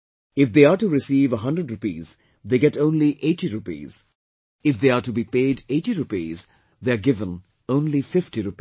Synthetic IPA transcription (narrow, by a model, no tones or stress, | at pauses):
ɪfd̪eːaːɾʈuɾɪsiːʋəɦʌ̃ndɾəɖɾupḭːz | d̪eːɡɛʈõːnliʔeːʈiɾupḭːz̥ | ɪfd̪eːaʈubipeːɖeːʈiɾupḭːz | d̪eaɾɡɪvə̃n | õʊ̃nlifɪfʈiɾupi